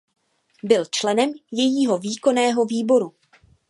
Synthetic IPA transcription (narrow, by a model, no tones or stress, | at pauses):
bɪlt͡ʃlɛnɛmjɛjiːɦo̞viːko̞nɛːɦo̞viːbo̞ɾu